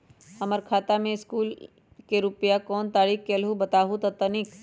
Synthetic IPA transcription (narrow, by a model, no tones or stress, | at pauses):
hɐməɾkʰaːt̪amẽɪskuːl | keɾʊpjakɔːnt̪aːɾiːkkeɐlɦubɐt̪aːɦut̪ɐt̪ənɪk